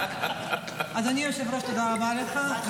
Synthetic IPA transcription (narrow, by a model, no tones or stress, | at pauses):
ʔazanijoʃevɾoʃt̪od̪aʁabaleχa